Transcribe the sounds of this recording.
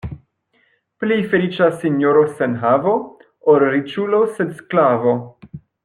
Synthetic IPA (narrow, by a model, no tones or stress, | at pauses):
plejfe̞lit͡ʃasːinjoɾosenɦavo̞ | oɾɾit͡ʃulosed̪sklavo